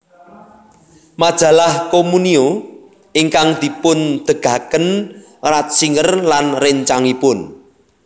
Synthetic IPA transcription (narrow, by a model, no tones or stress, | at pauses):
mad̥d̥a̤lahkomunio | iŋkaŋd̪̥i̤pʊnd̪̥ə̤ɡ̥ä̤kən | rat̪̚siŋərlanrɪɲt͡ʃaŋipʊn